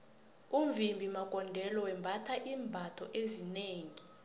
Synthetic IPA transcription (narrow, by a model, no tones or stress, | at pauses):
uɱvimbʱimakʼɔndʱɛlɔwɛmbʱatʰaʔiːmbʱatʰɔʔezineːŋi